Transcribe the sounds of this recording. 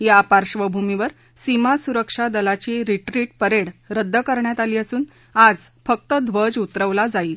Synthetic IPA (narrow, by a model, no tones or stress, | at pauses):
japaɾʂʋəbʱumiʋəɾ | simasuɾəkʂad̪əlat͡ɕiɾiʈɾiːʈ̚pəɾeɽɾəd̪ʱːəkəɾɳjat̪aliːəsuːn | ad͡zfək̚t̪əd̪ʱʋəd͡ʑut̪ɾəʋlad͡zaiːl